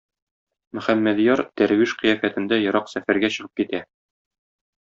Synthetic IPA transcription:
mɵ̆χæmːæd̪jɑɾt̪æɾwiʃqɤ̆jæfæt̪ɘ̆nd̪æjŏɾɑqsæfæɾɡæɕɤ̆ʁɤp̚kit̪æ

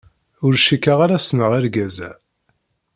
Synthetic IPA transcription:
ʊɾʃikːaʁaɾasnəʁaɾɡæzæ̰

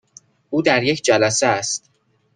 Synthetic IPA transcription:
ʔuːd̪æɾjecʰd͡ʒælæseæst̪̚

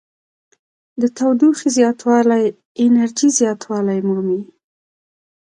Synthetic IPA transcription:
d̪ət̪awd̪uxizjɑt̪ʰwɑlaj | ɪnaɾd͡ʒizjɑt̪ʰwɑlajmumi

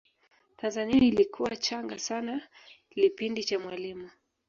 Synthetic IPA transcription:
tanzaniailikʰuwat͡ʃaŋɡasana | lipindit͡ʃamwalimu

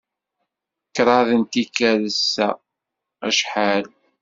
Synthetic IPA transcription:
kɾˤɑðənt̪ikæləsːæ̰ | æʃħal

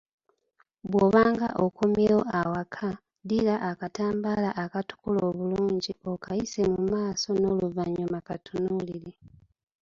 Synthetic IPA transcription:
βwo̞βaːŋɡa̰ʔokomjewo̞awakʰa | dilaʔːkataːmbaːlaʔakatu̥kulo̞ːβuluːɲɟio̞kaise̞mumaːso̞no̞luvaɲomakatunuliɾe

